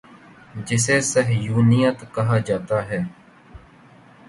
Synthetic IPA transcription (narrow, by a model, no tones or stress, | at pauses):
d͡ʒɪseːsəɦjuːnijət̪kəɦaːd͡ʒaːt̪aːɦɛː